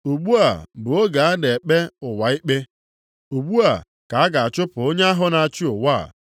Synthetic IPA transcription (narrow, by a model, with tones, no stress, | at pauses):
u˨ɡ͡bu˦a˨bʊ˨o˦ɡa˨a˦de˨e˨k͡pe˦ʊ˨wa˨i˦k͡pe˦ | u˨ɡ͡bu˦a˨ | ka˨a˦ɡa˨a˨t͡ʃʊ˦pʊ˨o˦ɲe˦a˦ɦʊ˦na˨a˨t͡ʃɪ˦ʊ˨wa̰˦˨